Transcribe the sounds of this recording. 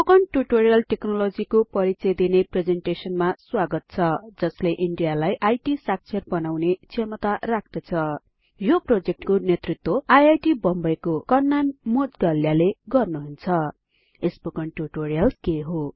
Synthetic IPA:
okʌnʈuʈoɾijʌlʈeknolod͡zikopʌɾit͡sʌjd̪inepred͡zeɳʈesʌnmaswaɡʌt̪̚t͡sʰʌd͡zʌsleʔiɳɖijalajʔajʈisak̚t͡sʰʌrbʌnawnet͡sʰemʌt̪arak̚ʰd̪ʌt͡sʰʌ | joprod͡zek̚ʈkonet̪rit̪ːwoajajʈibʌmbʌjkokʌnːanmod͡zɡaljaleɡʌrnuɦunt͡sʰʌ | esbokʌnʈuʈorijʌlkeɦo

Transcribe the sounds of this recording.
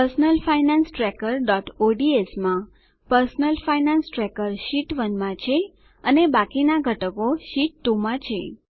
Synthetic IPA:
əɾsnəlfajnansʈɾɛkəɾɖɔʈoɖiesmã | pəɾsnəlfajnansʈɾɛkəɾʃiʈʋənmãt͡ʃʰe | ənebakinaɡʱəʈəkoʃiʈːũmãt͡ʃʰe

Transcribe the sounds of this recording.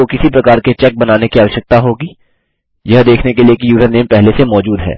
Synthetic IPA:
okɪsipɾɐkaːɾket͡ʃɛk̚bɐnaːnekiaːʋəʃək̚t̪aɦoːɡiː | jɐɦd̪eːkʰnekeliekijuːzəɾneːmpɛɦlesemɔːd͡ʒuːd̪ɦɛ̰ː

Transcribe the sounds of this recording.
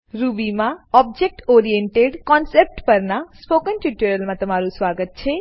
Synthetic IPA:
ɾubimãɔb̚d͡ʒek̚ʈoɾijeɳʈeɖkɔnsep̚ʈpəɾnaspokənʈiʈuɾəlmãt̪əmaɾusʋaɡət̪̚t͡ʃʰe

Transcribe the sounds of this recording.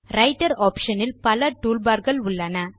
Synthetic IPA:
ɾɐɪʈɐɾoːpʂɐnɪlpɐlɐʈuːlbaːɾɣɐɭʊɭːɐnɐ

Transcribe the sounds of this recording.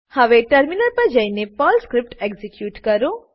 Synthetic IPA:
hɐʋeʈɐɾminəɾpɐɾd͡ʒɐinepɔːlskɾɪp̚ʈeɡzikjuːʈkɐɾo

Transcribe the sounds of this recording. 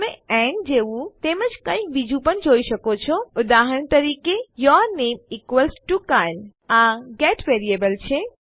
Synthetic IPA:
mẽɛ̃nd͡ʒeut̪emət͡ʃkə̃ĩkʋid͡ʒupənd͡ʒoːisəkot͡ʃʰɔʊd̪aːɦəɾnt̪əɾiːkejɔɾneːmikʋəlsʈukal | aɡɛʈʋeɾiebəlt͡ʃʰe

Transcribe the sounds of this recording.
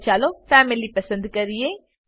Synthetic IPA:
t͡ʃaːlofɛːmɪlipəsə̃nd̪kəɾie

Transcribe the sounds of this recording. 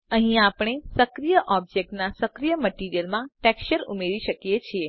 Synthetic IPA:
əɦĩapɽ̃esəkɾijəʔɔb̚d͡ʒek̚ʈnasəkɾijəməʈiɾijəlmãʈɛkʃəɾumeɾiʃəkjet͡ʃʰie

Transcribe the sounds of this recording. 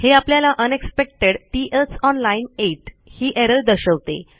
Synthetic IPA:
heapljalaʔənekspek̚ʈeɽʈiʔəsɔnlaineʈ | hiːʔeɾəld̪əɕəʋt̪ḛ

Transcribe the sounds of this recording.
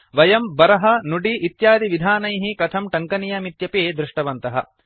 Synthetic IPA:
ʋɐjɐmbɐɾɐɦɐnuɖiʔːt̪jaːd̪iʋid̪ʱaːnɐjɦikɐt̪ʰɐmʈɐŋkɐnijɐmit̪jɐpeːd̪ɾuiʂʈɐʋɐnt̪ɐɦɐ̰

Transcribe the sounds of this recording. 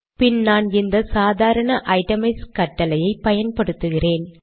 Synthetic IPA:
pɪnnaːnɪnd̪ɐsaːðaːɾɐɳɐʔɐɪʈɐmɪskɐʈːɐlɐjɐɪpɐjɐnpɐɽɯt̪ːɯɣɪreːn

